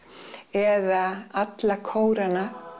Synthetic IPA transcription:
ɛðaat̪lakʰoːwɾana

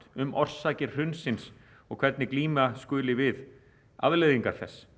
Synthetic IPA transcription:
t̪ʏmʔɔr̥saːcɪ̥r̥ʏnsɪns | ɔɣkʰv̥ɛɾt̪nɪkliːmaskʏːlɪvɪð | a̰ðleðiŋkaɾ̥θɛ̰sː

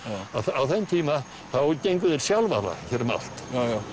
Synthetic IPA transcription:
aθawθɛnt̪ʰiːma | θawcejŋkʏðɛɾ̥sjalva̰la̰çɛɾma̰l̥t̪aja

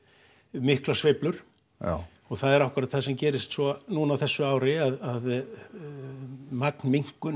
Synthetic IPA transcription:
mɪhklasvejplʏɾ̥ | ɔɣθaðɛɾawhkʏɾat̪θasɛmcɛːɾɪst̪sɔnunawθɛsːʏaːwɾɪaðað | maknmiŋ̥kʏ

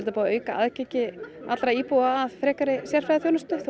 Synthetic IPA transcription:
lt̪apoːaøːɥkaʔa̰ðcecɪat̪lɾaiːpuaːðfɾɛːkaɾɪsjɛr̥fɾaðaθjoːwnast̪ʏθ

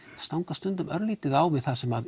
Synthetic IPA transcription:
st̪awŋkast̪ʏnt̪ʏmœɾliːt̪ɪðaːwvɪðθasɛmað

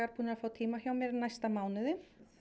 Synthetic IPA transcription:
aɾpuːnaaɾfawt̪ʰiːmahjaːwmjɛɾnajst̪amaːwnɪðɪ

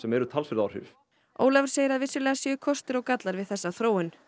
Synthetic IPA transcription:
sɛmɛɾʏt̪ʰalsfɪɾðawɾ̥ʏ̰v | o̰ːwlavɾ̥seːjɪɾaðvɪsʏlɛːɣasɛʏkʰɔst̪ɪɾɔɣkat̪laɾvɪðθɛsːaθɾoːwɪn

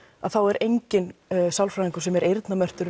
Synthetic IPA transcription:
aðθawɛɾʔejɲcɪnsawlfɾaiŋkʏ̥sɛmɛɾejɾt̪namœr̥t̪ʏɾ

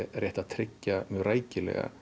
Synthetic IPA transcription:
rjɛjht̪aðt̪ʰɾɪcːamjœɣraːjcɪlɛ̰ɣa̰

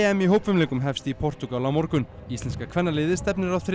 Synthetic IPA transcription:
ɛmiɦoːwpvɪmleːŋkʏmɦɛfst̪ipʰɔr̥t̪ukalamɔɾkʏnist̪lɛnskakʰv̥ɛnːalɪːðɪst̪ɛpnɪɾawθɾ

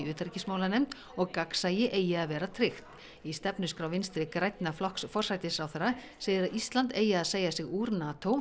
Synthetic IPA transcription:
ʏːt̪ɾɪcɪsmaːwlanɛmt̪ | ɔɣkaksajɪʔeːjɪaðvɛːɾat̪ʰɾɪxt̪ | ist̪ɛpnʏskɾawvɪnst̪ɾɪkɾajt̪naflɔhksfɔr̥sajt̪ɪsawθɛra | seːjðɪɾaðist̪lant̪eːjɪaðseːjasɪɣuːɾnaːt̪ʰow

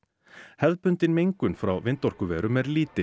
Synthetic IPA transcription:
hɛðpʏnt̪ɪnmejŋkʏnfɾa̰wvɪnt̪ɔɾ̥kʏvɛːɾʏmɛɾliːt̪ɪ

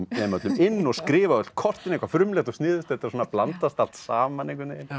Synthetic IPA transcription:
mɛmœt̪lʏmɪnːɔɣskɾɪːvaœt̪l̥t̪̚kʰɔr̥t̪ɪnẽhkvafɾʏmlɛxt̪ɔst̪nɪːðʏst̪ɛt̪aɾsɔːnaplant̪ast̪al̥t̪saːmanẽŋkʏnɪ̥

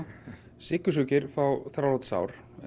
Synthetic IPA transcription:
sɪkʏsʏcɪɾfawθɾalɔt̪sa̰ːwɾ̥

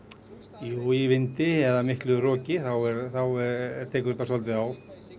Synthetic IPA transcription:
joːjɪvɪnt̪ɪɛðamɪhklɪrɔːcɪθawɛɾθawɛt̪ʰɛːkʏɾt̪asɔlt̪̬ɪaw

